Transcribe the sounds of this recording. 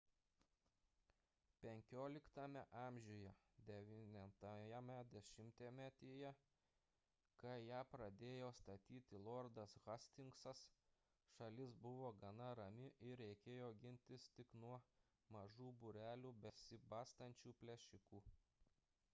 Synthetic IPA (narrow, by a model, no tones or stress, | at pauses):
pʲɛŋʲkʲoːlʲɪkt̪ɐmʲɛʔɑːmʲʒʲʊjɛd̪ʲɛʋʲinʲɛt̪ɐɛmʲɛd̪ʲɛʃʲɪmʲt̪ʲeːmʲæt̪ʲeːjɛ | kɐjæːpɾɐd̪ʲeːjoːst̪ɐt̪ʲiːt̪ʲɪlˠɔɾd̪ɐsɣɐsʲt̪ʲɪŋksɐs | ʃɐlʲɪsbʊʋoːɡɐnɐɾɐmʲɪʔɪɾʲɾʲɛɪkʲeːjoːɡʲɪnʲt̪ʲɪst̪ʲɪknuɔ | mɐʒuːbʊɾʲæːlʲuːbʲɛsʲɪbɑːst̪ɐnʲt͡ʃʲuːpʲlʲɛʃʲɪkuː